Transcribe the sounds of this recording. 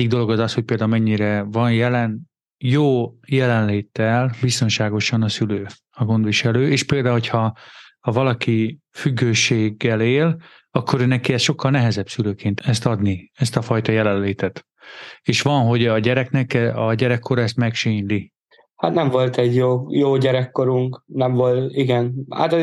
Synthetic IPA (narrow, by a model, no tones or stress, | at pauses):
iɡ̚d̪o̞lo̞ɡɒzɒshoc̚peːld̪aːumɛɲːiɾɛvɒnjɛlɛn | joːjɛlɛnleːt̪ːɛlbist̪o̞nʃaːɡo̞ʃɒnɒsyløː | ɒɡo̞nd̪ʋiʃɛløːeːʃpeːld̪aːuɦo̞cʰhɒːvɒlɒki | fyɡːøːʃeːɡːɛleːl | ɒkʰːo̞ɾøːnɛkiɛsʃo̞kʰːɒlnɛɦɛzɛbsyløːkeːnt̪ɛst̪ɒd̪niɛst̪ɒfɒjt̪ɒjɛlɛnleːt̪ɛt̪ | eːʃʋɒnɦo̞ɟɒɟɛɾɛknɛkɛɒɟɛɾɛkʰːo̞ɾɛst̪mɛkʃiɲli | hat̪nɛɱvo̞lt̪ɛɟjoːjoːɟɛɾɛkːo̞ɾuŋknɛɱvolt̪iɡɛnha̰t̪